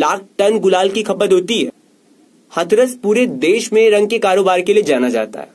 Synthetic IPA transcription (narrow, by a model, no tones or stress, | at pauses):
laːk̚ʈɐnɡʊlaːlkikʰɐpəd̪ɦoːt̪iɦɛ̰ː | xɐt̪ʰɾəspuːɾed̪eːʃmẽɾɐ̃ŋɡ̚kekaːɾoːbaːɾkelied͡ʒaːnad͡ʒa̰ːt̪a̰ɦɛː